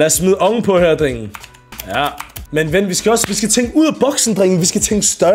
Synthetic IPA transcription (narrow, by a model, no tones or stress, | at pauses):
læɐsmiðˠʔɒ̽ŋ̩pʰɒ̽høɐd̥ʁeŋ̰n̩ | jæmenʋenʋisɡ̥æɒ̽sʋisɡ̥æt͡sʰeŋɡ̥uð̞̰ˠæb̥ɒ̽ɡ̥sn̩d̥ʁeŋn̩ʋisɡ̥æt͡sʰeŋ̰ɡ̥sd̥ɶ